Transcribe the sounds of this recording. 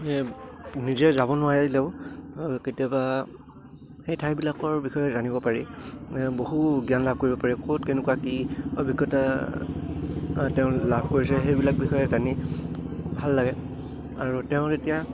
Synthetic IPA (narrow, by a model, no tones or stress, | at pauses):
nizɛzabɔnʊaɹɛdilɛʊ̃ | ketijaba | xejtʰajbilakɔɹbixɔjɛzanibɔpaɹi | boɦuɡijanlab̚ʱkoɹibɔpaɹɛkʰotkenʊkuakiɔbʱiɡjɔta | tɛʊ̃labʱkoɹisɛxejbilak̚bixɔjɛzani | bʱalːaɡɛ | aɹutɛʊ̃zetija